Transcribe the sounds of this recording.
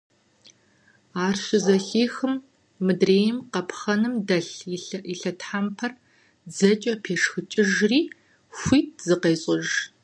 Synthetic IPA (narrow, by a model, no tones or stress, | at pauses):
aːrɕɪzɐɬiːxɨmː | ɨdreːjɪmqɐpʰxɐnɨmdɐɬiɬɐtʰħampʰɐr | d͡zɐt͡ʃʼɐpʰeːʂxɨt͡ʃʼɪʒriː | xʷiːt̚ʰzɨqeːɕʼɪʒ